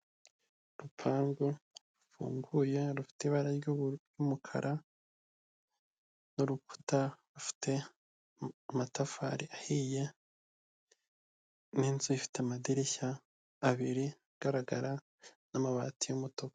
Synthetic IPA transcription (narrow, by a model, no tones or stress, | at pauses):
ɾupʰaːŋɡoɾufṵːŋɡuje̞ɾufi̥teiβaɾaɾɟuɾjumukʰa̰ɾʔa | noɾuku̥taɾufi̥tʰe̞ | amatafa̰ɾiʔahije̞ | niːnzuifi̥teamadiɾiçaː | βiɾiaɡ̥aɾaɡa̰ɾa | namaβa̰ːtijomutoko